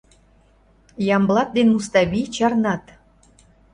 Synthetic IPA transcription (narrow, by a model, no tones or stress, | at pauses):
jɑmblˠɑt̪̚d̪enmust̪ɑβit͡ɕɑrnɑt̪